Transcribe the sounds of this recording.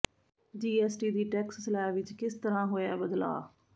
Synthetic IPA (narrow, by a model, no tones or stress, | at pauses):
d͡ʒiːɛːsʈiːd̪iːʈɛːksːəlaːʋɪt͡ʃkɪst̪əɾãːɦoːjaːbəd̪la̰ː